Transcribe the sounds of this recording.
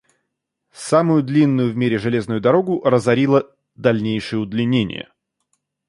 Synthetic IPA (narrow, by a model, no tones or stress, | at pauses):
samʊjʊd̪lʲinːʊjʊvmʲeɾʲɪʐɨlʲe̞znʊjʊd̪ɐɾo̞ɡʊʔrəzɐɾʲilˠə | d̪ɐlʲnʲejʂɨjəʊd̪lʲɪnʲenʲɪ̰jə̰